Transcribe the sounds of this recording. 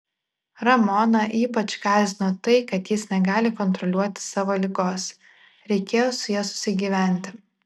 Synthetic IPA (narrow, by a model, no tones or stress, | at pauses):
ɾɐmɔnɐʔiːpɐt͡ʃkɑːzʲɪnoːt̪ɐɪkɐt̪jɪsnʲɛɡɑːlʲɪkɔnt̪ɾɔlʲuɔt̪ʲɪ̥sɑːʋoːlʲɪɡoːs | ɾʲɛɪkʲeːjoːsʊjiɛsʊ̥sʲɪɡʲiːʋʲæˑnʲt̪ʲɪ